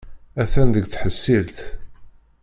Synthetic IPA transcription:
æθænd̪əɡt͡sħəsːilθ

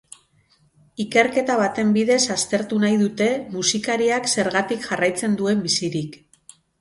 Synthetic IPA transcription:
ike̞ɾke̞t̪aβ̞at̪e̞mbiðe̞sast̪e̞ɾt̪unajðut̪e̞musikaɾiakse̞ɾɣat̪ikʝarajt͡se̞nd̪ue̞mbisiɾik

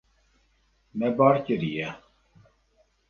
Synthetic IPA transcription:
mɛbɑːɾcəɾijɛ

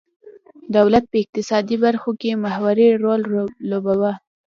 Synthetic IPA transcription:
d̪awlat̪̚pəɪq̚t̪ɪsɑd̪ibaɾxokemahwaɾeɾolːobawa

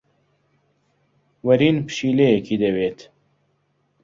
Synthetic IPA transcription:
wɐɾiːnpɨ̥ʃiːlejekʰiːd̪ɐweːt̪

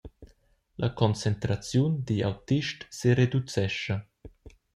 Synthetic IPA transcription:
lʔakɔnt͡sent̪ɾat͡sjund̪ia̰wt̪iʃtseɾed̪ut͡sɛʃə

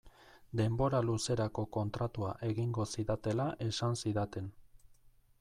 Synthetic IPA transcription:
d̪e̞mbo̞ɾaluse̞ɾako̞ko̞nt̪ɾat̪uaʔe̞ɣiŋɡo̞siðat̪e̞laʔe̞sansiðat̪e̞n

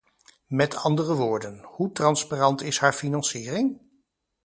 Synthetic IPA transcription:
mɛtʰɑndərəʋʊːɹdənhutrɑnsparɑntɪshaːɹfinɑnsiːrɪŋ

